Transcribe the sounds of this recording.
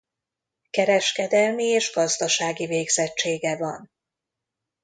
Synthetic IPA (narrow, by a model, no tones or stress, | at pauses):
kɛɾɛʃkɛd̪ɛlmieːʒɡɒzd̪ɒʃaːɡiveːɡzɛt͡ʃt͡ʃːeːɡɛvɒn